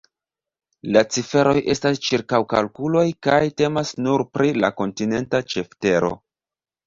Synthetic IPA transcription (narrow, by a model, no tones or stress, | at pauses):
lat͡sife̞ɾʔo̞jʔe̞stast͡ʃiɾkawka̰lkulo̞jkajte̞masnuɾpɾʔila̰ko̞ntine̞ntat͡ʃe̞fte̞ɾo̞̰